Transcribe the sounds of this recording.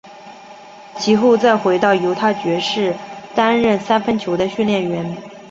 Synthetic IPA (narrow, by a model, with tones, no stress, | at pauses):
t͡ɕʰi˧˥xo˥˧ʊt͡sa˥˩ɪxwe˧˥ɪt̪ɑ˥˩ʊjo˧˥ʊt̪ʰa˥˩t͡ɕɥɛ˧˥ʂɻ̩˥˩t̪a˥nɻə˥˩nsa˥nfə˥nt͡ɕʰjo˧˥ʊd̪ə˧ɕy˥˧nljɛ˥˩nɥɛ˧˥n